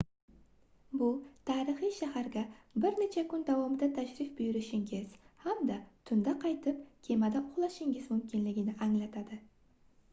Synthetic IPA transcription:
bʊt̪ʰaːɾɨχɨjʃahaɾɡʲabɪɾne̞t͡ʃʰakʰʊnd̪avɒmɪd̪at̪ʰaʃɾɪfbʊjɪɾɪʃɪŋʲɪz̥hamd̪at̪ʰʊnd̪aqʰɑjt̪ʰɪp̚kʲʰe̞mad̪aʊʁlˠaʃɪŋɡɪzmʊmkʲʰɪnlɪɡʲɪnɪʔaŋlat̪ʰad̪ɪ

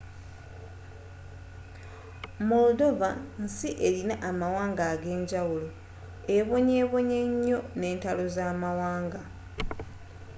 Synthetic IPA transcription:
mudo̞vansiʔe̞ɾinaʔamawaːŋɡaːɡe̞ːɲɟawulo | eβo̞ɲeːβo̞ɲe̞ɲːo̞ne̞ːntalo̞zaːmawaːŋɡa

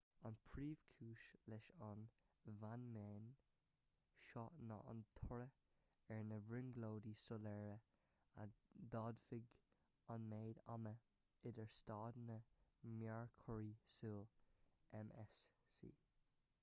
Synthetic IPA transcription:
ɑnpʰɹiːv̥kʰuːʃlɛʃɑn | vanmeːn | ʃɑnɑ̰ʔɑ̰nt̪ʰʊɹə | ɛɹnəvɹɪnɡloːdisʊlɛːɹə | a̰d̪ɑːdfɪɡ | ɑnmeːda̰mə | ɪdəɹstɑːd̪nəmjaɹkʰɔɹisuːlɛmʔɛsːḭː

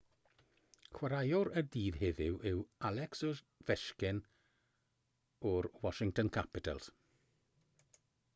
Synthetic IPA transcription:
xwaɾajɔɾədiːðɦɪðɪwʔɪwalɛksʊ | vɛʃkɪn | ɔɾwɔʃɪŋtɔnkʰapɪtʰə̰lˠs

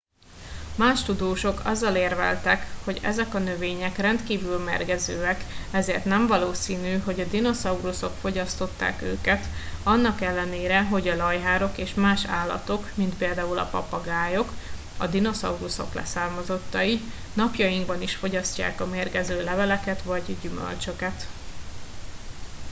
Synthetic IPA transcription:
maːʃt̪ud̪oːʃo̞kɒ̰zːɒleːrvɛ̰lt̪ɛkho̞ɟɛ̰zɛkɒnøveːɲɛkrɛnt̪kiːvylmɛ̰rɡɛzøːɛkɛzeːrt̪nɛɱvɒloːsiːnyːɦo̞ɟɒd̪ino̞sɒuɾuso̞kfo̞ɟɒst̪o̞t̪ːa̰ːkø̰ːkɛt̪ɒnːɒkɛlːɛneːɾɛɦo̞ɟɒlɒjɦaːɾo̞keːʃmaːʃa̰ːlːɒ̰t̪o̞kmint̪peːld̪aːulɒ̰pɒ̰pɒɡaːjo̞k | ɒd̪ino̞sɒ̰uɾuso̞̰klɛ̰saːrmɒzo̞t̪ːɒi | nɒpjɒjiŋɡbɒniʃfo̞ɟɒsca̰ːkɒmeːrɡɛzøːlɛvɛlɛkɛt̪vɒɟɟymø̰lt͡ʃø̞kɛt̪

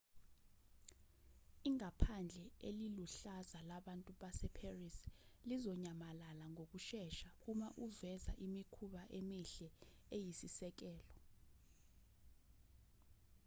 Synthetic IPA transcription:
iŋapʰand͡ɮʱɛeliluɬazalaɓantʼuɓasɛpʰerislizɔɲamalalaŋok̬uʃɛʃak̬umaʔuvɛzaʔimikʰuɓaʔemiɬɛejisisɛk̬ɛːlɔ

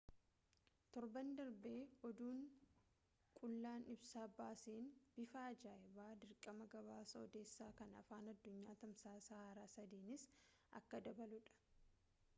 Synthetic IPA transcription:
t̪ɔɾbɐnd̪ɐɾbeːɔd̪uːŋ | kʼʊlːaːnɪbsaːbaːseːnb̥ɪfaːd͡ʒaːɪbaːd̪ɪɾkʼːɐmɐɡɐβaːsɐɔd̪eːsːaːkɐnɐ̰faːnɐd̪ːʊɲːaːt̪ɐmsaːsɐhaːɾaːsɐd̪iːnɪs | ɐ̰kːɐd̪ɐbɐlʊᶑɐ̥

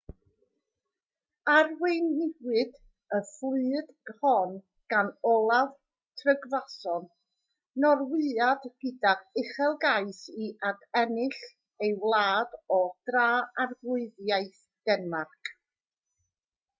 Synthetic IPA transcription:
arwejnːɪwɨd | əflɨːd̥ɡhɔn | ɡ̥anɔlˠav | tʰrəɡvasɔn | nɔrwɨadɡɪdaɪχɛlˠɡaɨsiʔadʰɛnɪɬ | ejwlˠaːdɔd̥raːarɡlʊɨðjaɨθ | d̥ɛnmarkʰ

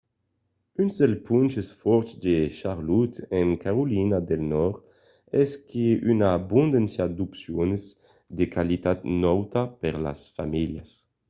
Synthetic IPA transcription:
ynzd̪elpunt͡ʃesfɔɾd̪eʃaɾlut̪eŋkaɾulinad̪elnɔɾ | ɛskʰeynabund̪ensjad̪upsjonz | d̪ekalit̪at̪nɔwt̪apeɾla̰sfamilja̰s

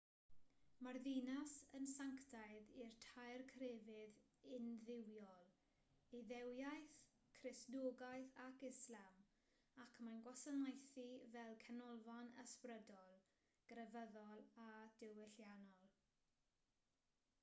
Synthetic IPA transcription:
marðinasənsaŋktʰaɨðirtʰajrkʰrevɪðɪnðɪwjɔlˠ | iðɛwjajθ | kʰrɪsdoːɡajθakɪslam | akʰmanɡwasənajθivɛlˠkʰɛnɔlˠvanə̰sprədɔlˠ | ɡ̥rəvəðɔlˠad̥ɪwɪɬjanɔlˠ

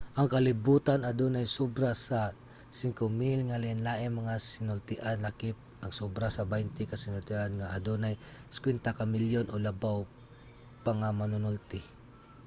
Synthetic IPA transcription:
ʔɐŋkɐlɪbuːt̪anad̪onajsubɾasa | sɪŋkomilŋalɪnlaːʔɪnmɐŋasɪnʊlt̪ɪʔanlakɪp̚ʔɐɡsobɾasɐbajnt̪ɪkasɪnʊlt̪ɪʔanŋaʔɐd̪onajskwɛnt̪akamɪljonʔolɐbaw | pɐŋamanʊnʊlt̪ɪ

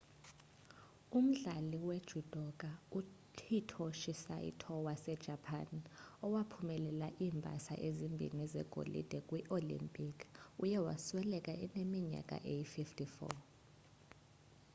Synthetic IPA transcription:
um̩ɮaliwed̥ʒ̥ʱud̥ʱɔk̬ʼautʰitʰɔʃisa̰jḭtʰɔwasɛd̥ʒ̥ʱapʰa̰nɔwapʰumɛlɛlaʔiːmbʱa̰sa̰ʔezimbʱḭnizɛ̰ɡ̥ʱo̰lḭd̥ʱɛkʼwiʔolḭmpʼikʰujɛwa̰swɛlɛkʼaʔɛnemiɲa̰kʼa̰ʔejififtʰʼifɔ̰

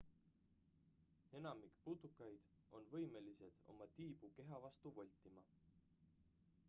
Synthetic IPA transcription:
e̞nɑmikput̪ːukːˑɑjd̪̥ | ʔo̞nvɤ̞jme̞lise̞d̪̥o̞̰mɑt̪iːb̥uke̞ɦɑvɑst̪uvolʲt̪ːˑimɑ

